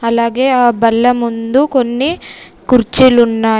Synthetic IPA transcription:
ɐlaːɡeːaːbɐlːɐmund̪uko̞nːi | kuɾt͡ʃilunːaː

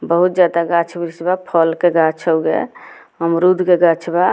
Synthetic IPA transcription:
bəɦut̪̚d͡ʒad̪aɡat͡ʃʰbiɾisbapʰɔlkeɡat͡ʃʰəwɡḛ | ɦəmɾud̪ʱkeɡat͡ʃʰba

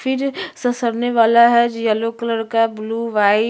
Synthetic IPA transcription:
fʰɪɾsɐsəɾneʋaːlaɦɛd͡ʒjalokələɾkabluːʋaːi

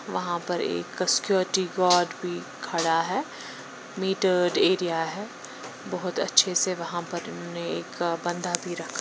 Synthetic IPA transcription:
ʋɐɦãpɐɾḛːkːɐskjoːɾʈiɡɔːɾɖbʱi | kʰɐɽaɦɛː | miːʈəɾɖeːɾijaɦɛː | bɔɦʊt̪ɐ̰tːʃʰeseʋɐɦãpɐɾʊ̰nɦoːneeːkbɐ̃nd̪ʱabʱiɾɐkʰːa

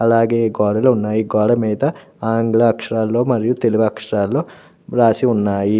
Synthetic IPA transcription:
ɐlaːɡe̞ːɡɔːɽɐlunːaːjiɡɔːɽɐmiːd̪ɐ | aːŋɡɭɐɐkʂɐɾaːlːo̞ːmɐɾijut̪e̞luɡɐɐkʂɐɾaːlːo̞ː | ɾaːsiunːaːji

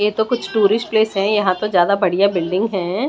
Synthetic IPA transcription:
jet̪okʊt͡ʃʰʈuːɾɪʃ̚pleːsɦɛ̃jɐɦãt̪ozjaːd̪abɐɽ̤ijabɪlɖɪ̃ŋɡɦɛ̃ː

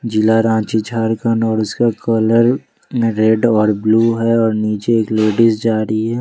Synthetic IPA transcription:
d͡ʒɪlaɾãːt͡ʃit͡ʃʰaːɾkənɔːɾʊskakələɾ | ɾɛɖɔːɾbluːɦɛɔːɾniːt͡ʃeeːkleːɖɪsd͡ʒaːɾiɦɛː

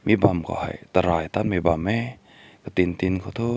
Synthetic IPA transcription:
mibamkʰɔ̰ha̰jt̪aɾaːjt̪anmibamːɛ | kat̪int̪inkʰat̪ʰo

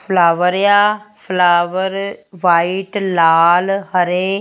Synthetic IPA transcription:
fʰlaːʋəɾjaːfʰlaːʋəɾʋaːiʈlaːlɦəɾeː

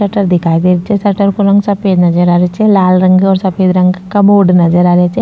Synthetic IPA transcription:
ɐʈəɾd̪ɪkʰaːid̪eʋɪt͡ʃɛsɐʈəɾkoɾɐ̃ŋɡsɐpeːd̪nɐd͡ʒəɾaːɾet͡ʃɛlaːlɾɐŋɡɔːɾsɐpʰeːd̪ɾɐ̃ŋɡkamoːɖnɐd͡ʒəɾaːɾeat͡ʃɛ

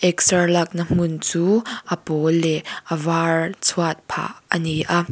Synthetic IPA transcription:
ʔɛk̚sɐlɐk̚nəm̥ʊnt͡suːʔəpɔlɛʔəvart͡sʰuat̪̚pʰa̰ːʔəniʔa

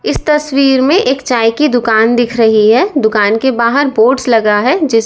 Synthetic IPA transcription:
ɪst̪ɐswiːɾmẽʔeːkt͡ʃaːjkid̪ʊkaːnd̪ɪkʰɾɐɦiɦɛd̪ʊkaːnkebaːɦəɾboːɖslɐɡaɦɛd͡ʒɪs

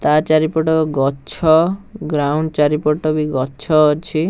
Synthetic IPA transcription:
t̪at͡ʃaɾipɔʈɔɡɔt͡ʃʰɔɡɾawɳɖt͡ʃaɾipɔʈɔbiɡɔtt͡ʃʰɔːt͡ʃʰi

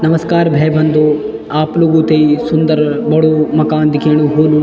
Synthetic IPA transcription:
nɐmɐskaːɾbʱeːbɐnd̪u | aːpluɡuːt̪ejsund̪ɐɾbɐɽumɐkaːnd̪ikeːɳuɦuːlu

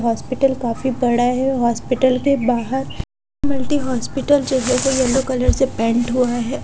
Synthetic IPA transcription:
ɦɔːspɪʈəlkaːfibɐɽaɦɛɦɔːspɪʈəlkebaːɦəɾ | mɐlʈiɦɔːspɪʈəld͡ʒɛːɦekojɐlokɐləɾsepɛ̃ːɳʈɦuaɦɛː

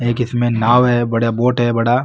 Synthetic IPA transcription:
eːkɪsmẽnaːʋɦɛbɐɽjaboːʈɦɛbɐɽaː

